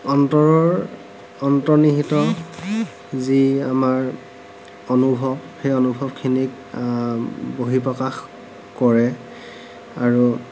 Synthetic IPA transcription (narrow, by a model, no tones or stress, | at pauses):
ɔntɔɹɔ | ɔntɔniɦitɔ | ziamaɹ | onubʱɔbxejonubʱɔbkʰinik̚ | boɦipɹɔkax | kɔɹɛ | aɹu